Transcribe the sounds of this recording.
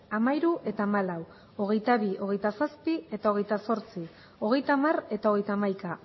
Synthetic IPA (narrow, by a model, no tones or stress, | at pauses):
amaiɾuʔe̞t̪aːmalaw | o̞ɣ̞e̞jt̪aβio̞ɣe̞jt̪asaspie̞t̪ao̞ɣe̞jt̪aso̞ɾt͡si | o̞ɣ̞e̞jt̪aːmare̞t̪ao̞ɣ̞e̞jt̪aːmajka